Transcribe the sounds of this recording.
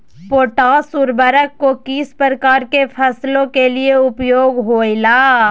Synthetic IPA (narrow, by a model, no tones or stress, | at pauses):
poːʈaːsuːɾbəɾəkːokiːspəɾəkaːɾkefʰəslõkelieʊpjoːɡɦoːilaː